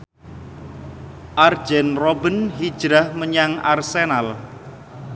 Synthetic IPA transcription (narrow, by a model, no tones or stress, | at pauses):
ʔard̥d͡ʒɛnrɔbənɦi̥ʒ̥ɾahməɲaŋa̰rsenal